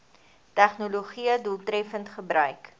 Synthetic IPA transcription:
tæχnoloχiədulˠtɾɛfəntχəbɾœɥk

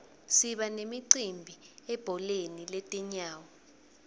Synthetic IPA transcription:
siɓanemiǀimbʱiɛb̥ʱɔlenilɛtʼɛɲaːwɔ

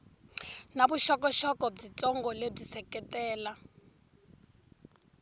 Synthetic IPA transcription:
nabuʃɔkɔʃɔkɔb͡ʐit͡sʼɔŋɡɔleb͡ʐisɛkɛtɛːla

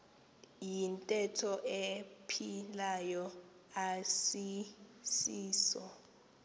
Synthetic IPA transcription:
jintʼɛtʰɔʔepʰilajɔ | asisiːsɔ

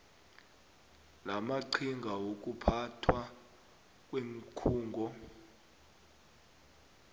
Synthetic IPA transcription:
lamaǀʰiŋɡʱawok̬ʼupʰatʰwa | k̬ʼwem̩kʰuːŋɡʱɔ

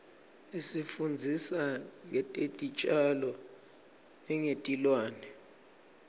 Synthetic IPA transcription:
isifund͡zʱisaŋɛtʼetʼit͡ʃʼalɔ | nɛŋetʼilwaːnɛ

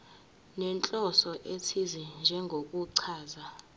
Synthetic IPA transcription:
nɛnt͡ɬʼɔsɔʔetʰizind͡ʒʱɛŋɡʱokʼuǀʰaːza

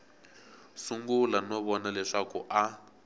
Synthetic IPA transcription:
suŋɡulanɔβɔnalɛʂakuʔa

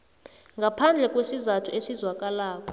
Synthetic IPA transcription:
ŋɡʱapʰand͡ɮʱɛkʼwesizatʰuesizwak̬ʼalaːk̬ʼɔ̥

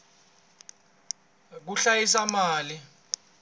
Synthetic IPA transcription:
k̬uɬajisamaːli

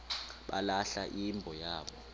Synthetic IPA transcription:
ɓa̰laɬaʔimbʱɔjaːɓɔ

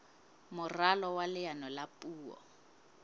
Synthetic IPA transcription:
mʊralɔwalɪanɔlapʼuːwɔ̰

